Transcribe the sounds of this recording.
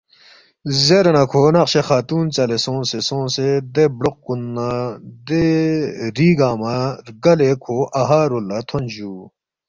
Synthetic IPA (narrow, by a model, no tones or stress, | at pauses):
zeɾenɐkʰoːnɐqɕexaːt̪uːnt͡sɐlesõːnsesõːnsed̪ebɽoq̚kːunːad̪e | ɾiːɡaːmaɾɡɐlekʰoʔɐɦaːɾolːɐt̪ʰond͡ʑuː